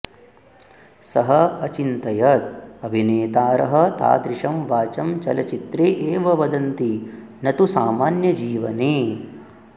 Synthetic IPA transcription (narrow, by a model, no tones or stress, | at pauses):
sɐɦɐɐt͡ʃint̪ɐjɐt̪̚ɐbʱineːt̪aːɾɐɦɐ̆t̪a̰ːd̪ɾiʂɐmʋaːt͡ʃɐmt͡ʃɐlɐt͡ʃit̪ɾeːʔeːʋɐʋɐd̪ɐnt̪i | nɐt̪usa̰ːmaːnjɐd͡ʒiːʋɐne